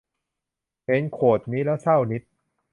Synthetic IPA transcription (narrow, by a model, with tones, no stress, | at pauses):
he˨˦nkʰoː˨˩t̪̚niː˦˥lɛː˦˥wsa˥˩wni˦˥t̪̚